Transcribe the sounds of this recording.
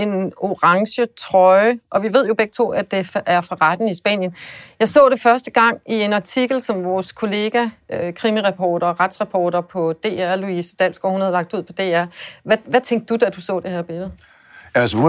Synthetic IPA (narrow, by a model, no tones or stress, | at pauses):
e̝no̝ʁɑ̈ŋɕət͡sʰʁɒ̽ɪəʔɒ̽ʋiʋe̝ð̞̰ˠjo̝b̥eɡ̥ət͡sʰo̝̰ːæd̥e̝fʔæɐfʁɑ̈ʁɑd̥n̩isb̥ɛ̰ːnjənjɑ̈ɪsɔ̰ːɾ̥e̝fɶɐsd̥əɡ̥ɑ̈ŋ̰ie̝nɑ̈t͡sʰiɡ̥l̩sɒ̽mʋɒːskʰo̝le̝ːɡ̥ækʰʁimiʁɑpʰɒːɾ̥ɐːʁad̥sʁɑpʰɒːɾ̥ɐpʰɒ̽d̥e̝̰ːæɐluisəd̥æl̰sɡ̥ɒhunhæð̩ˠlɑ̈ɡ̥̚d̥uð̰ˠpʰɒ̽d̥e̝̰ːæɐ̰ʋæʋæt͡sʰeŋɡ̥̚d̥̚ud̥æd̥usɔ̰ːd̥e̝hæɐb̥e̝lð̩ˠ | æs